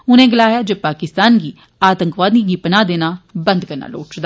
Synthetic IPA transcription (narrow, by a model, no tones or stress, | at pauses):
ʊnẽːɡɪlaːjaːd͡ʒeːpaːkɪst̪aːnɡiː | aːt̪əŋkʋaːd̪niːɡiːpnãːd̪eːnaːbə̃nd̪kəɾna̰ːlo̰ːt͡ʃd̪a